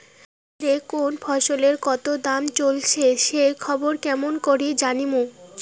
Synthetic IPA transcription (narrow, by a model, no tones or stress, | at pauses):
ɾekonfʰɔʃoleɾkɔt̪od̪amt͡ɕolt͡ɕʰeʃekʰɔboɾkɛmonkoɾid͡ʑanimo